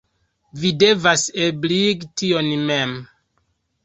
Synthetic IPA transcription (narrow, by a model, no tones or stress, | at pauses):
videvasebliɡtionmem